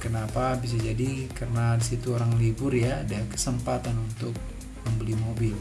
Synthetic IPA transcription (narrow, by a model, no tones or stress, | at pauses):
kənapabis̬ad͡ʒadikarənadisit̪uoɾaŋlibʊrjaːdakə̥səmpat̪anunt̪ʊk̚ | məmbəlimobɪl